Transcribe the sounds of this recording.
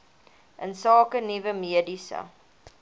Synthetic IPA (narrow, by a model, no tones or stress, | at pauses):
ʔənsɑːkənivəmiədisə̰